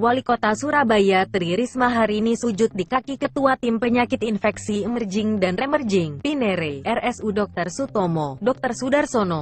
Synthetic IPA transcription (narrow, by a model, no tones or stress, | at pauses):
walikot̪asuɾabajat̪əɾiɾismaɦaɾiːnisud͡ʒʊt̪̚dikakikət̪uat̪impəɲakɪt̪infɛksiəmərd͡ʒɪŋdanremərd͡ʒɪŋpineɾeʔɛrɛsudɔk̚t̪ərsut̪ɔmɔdɔk̚t̪ərsudarsonɔ